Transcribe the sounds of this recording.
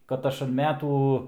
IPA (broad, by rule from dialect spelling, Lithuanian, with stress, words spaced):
kɐt ˈɐʃ ɐn ˈmʲæːtuː